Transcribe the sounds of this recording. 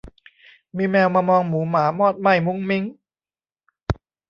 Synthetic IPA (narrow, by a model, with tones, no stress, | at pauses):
miː˧mɛː˧wmaː˧mɔː˧ŋmuː˩˦maː˩˦mɔː˥˩t̪̚ma˧˥˩jmu˧˥ŋmi˧˦˥ŋ